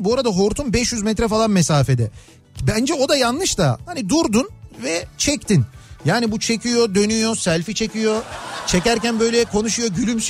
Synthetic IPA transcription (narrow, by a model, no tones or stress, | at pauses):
buaɾad̪aɦo̞ɾt̪umbɛʃjyzmɛt̪ɾɛfalˠanmɛsaːfed̪ɛ | bænd͡ʒɛo̞d̪ajanlˠɯʃt̪ahanid̪uɾd̪unvɛt͡ʃʰɛct̪ʰinjaːnibut͡ʃʰe̞cʰijo̞d̪ø̞nyjo̞sælʲfit͡ʃʰecijo̞t͡ʃʰecæɾcænbø̞jlʲɛkʰo̞nuʃujo̞ɟylʲyms